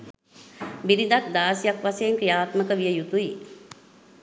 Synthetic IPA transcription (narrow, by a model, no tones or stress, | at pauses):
biɾid̪ak̚d̪aːsijakʋaseːŋkɾijaːt̪məkəʋijəjut̪ui